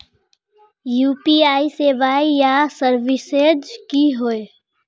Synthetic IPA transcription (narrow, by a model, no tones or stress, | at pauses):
juːpiaːiseːʋaːijasəɾʋɪsed͡ʒkiɦoe